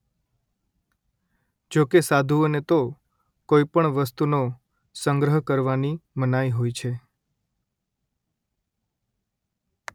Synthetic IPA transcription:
d͡ʒokesad̪ʱuənet̪o | koipəɳʋəst̪uno | səŋɡɾəɦkəɾʋanimənajɦojt͡ʃʰe

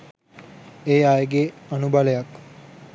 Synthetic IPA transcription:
eːajeɡeanubalejak

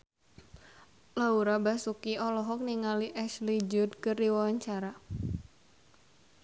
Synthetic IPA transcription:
lauɾabasukiɔlɔɦɔk̚niŋaliʔɛʃlid͡ʒud̪kɨrdiwawaɲt͡ʃaɾa

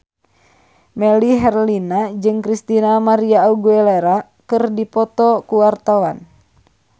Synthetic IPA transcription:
mɛliɦɛrlinad͡ʒɨŋkɾist̪inamaɾiauɡuɛleɾa | kɨrdipɔt̪ɔkuwart̪awan

